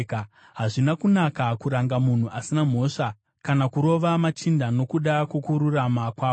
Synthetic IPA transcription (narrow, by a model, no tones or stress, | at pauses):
ka | ɦaʐinakunakakuɾaŋɡamun̤uʔasinam̤o̞ʂa | kanakuɾo̞ʋamat͡ʃindano̞kuɗakwokuɾuramakwaːo